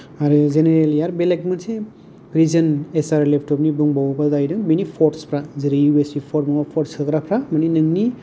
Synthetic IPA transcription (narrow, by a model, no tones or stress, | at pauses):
aɾɯzeneɾeliaɾbelekmɯnse | ɾizənesaɾlepʰʈɔp̚nibuŋbawbazajdɯŋbinipʰɔʈspʰɾazɯɾɯjuesipʰɔɾ̚mɔapʰɔɾsɯkɾapʰɾamaninɯŋni